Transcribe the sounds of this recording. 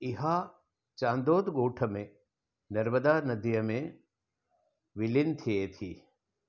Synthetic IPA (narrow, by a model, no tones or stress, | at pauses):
ɪɦa | t͡ʃãːnd̪oːd̪ɡoːʈʰəmẽ | nɐɾməd̪aːnɐd̪ijəmẽ | ʋɪlɪnt̪ʰiet̪ʰiː